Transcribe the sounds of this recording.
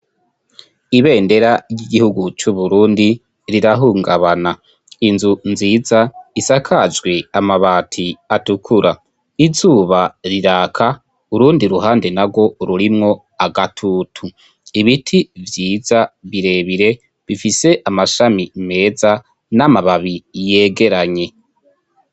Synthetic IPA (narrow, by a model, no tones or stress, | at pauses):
iβe̞ːnde̞ɾaɟiɡihuɡut͡ʃuβuɾuːndi | ɾiɾaɦuːŋɡaβana | inzunziːzaisakʰad͡ʒɡwe̞amaβaːtʰiatukʰuɾa | izuːβaɾiɾaːkʰa | uɾuːndiɾuɦaːnde̞naɡwo̞ɾuɾimŋo̞ | aɡatʰuːtʰu | iβitʰivjiːzaβiɾe̞βiɾe̞ | βifise̞ʔamaʃamime̞ːza | namaβaβije̞ːɡe̞ɾaɲe̞